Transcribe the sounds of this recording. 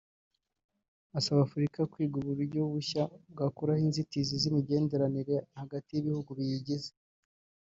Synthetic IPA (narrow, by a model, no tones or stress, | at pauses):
asaβaːfuɾikakwiːɡuɾuɾuɾɟoβuçabɡakuɾahinzitizizimiɟe̞ːnde̞ɾaniɾe̞haɡatijiβihuɡuβijiɟeze